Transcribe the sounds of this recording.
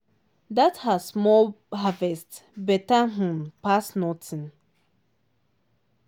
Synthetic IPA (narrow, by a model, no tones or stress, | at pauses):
dathasmɔɦavɛstbɛtaɦũnpasnɔtĩn